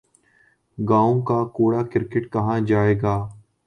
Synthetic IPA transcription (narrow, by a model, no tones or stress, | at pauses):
ɡãːõkaːkoːɽaːkɪɾkɪʈkɐɦãːd͡ʒaːeːɡaː